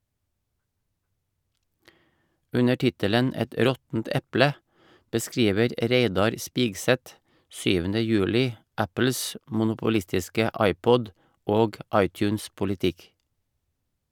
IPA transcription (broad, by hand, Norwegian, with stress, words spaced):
ˈʉnə ˈʈɪtələn ˈɛt ˈɾɔtn̩t ˈɛplə bəˈskɾiːʋəɾ ˈɾeɪdɑɾ ˈspiːɡsɛt ˈsyːʋəndə ˈjʉːlɪ ˈæpl̩s mʊnʊpʊˈlɪstɪskə ˈɑɪˌpɔd ˈoːɡ ˈɑɪˌtjʉːnspʊlɪˌtɪk